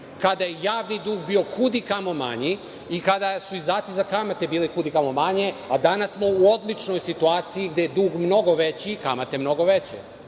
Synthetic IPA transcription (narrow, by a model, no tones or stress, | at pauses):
kad̪ajejaːʋnid̪uːɡbiːo̞kʰud̪ikamo̞ma̰ɲi | ikad̪asuizd̪aːt̪sizakamat̪e̞biːlikud̪ikamomaɲead̪anasːmouod̪lit͡ʂno̞jsit̪uaːt̪sijiɡd̪ejed̪uːɡmno̞ɡo̞ʋet͡ɕikamat̪emno̞ɡo̞ʋet͡ɕḛ